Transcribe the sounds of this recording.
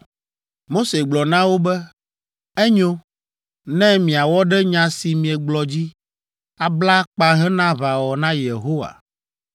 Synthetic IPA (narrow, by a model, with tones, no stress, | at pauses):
mo˦se˨ɡ͡blɔ˨nã˦wo˦bɛ˦ | ɛ˦ɲõ˦ | nɛ̃˦mĩ˨a˨wɔ˦ɖɛ˦ɲã˨si˨mĩ˨ɛ˨ɡ͡blɔ˨d͡ʑi˦ | a˨bla˦k͡pa˦ɦɛ˦nã˦βa˨wɔ˨nã˦je˨ɦo˦wa̰˨